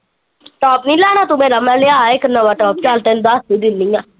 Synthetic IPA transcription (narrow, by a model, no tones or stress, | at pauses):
ʈɔːpnĩːlaːñaːt̪ʊmẽːɾəmãːleaːeknəʋaːʈɔːp̚t͡ʃalt̪end̪ast̪iːd̪ɪnːiːaː